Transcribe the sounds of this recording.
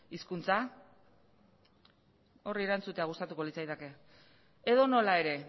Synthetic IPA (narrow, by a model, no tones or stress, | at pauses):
iskunt͡sa | o̞rieɾant͡sut̪e̞aɣ̞ust̪at̪uko̞lit͡sajt̪eke̞ | eð̞o̞no̞lae̞ɾe̞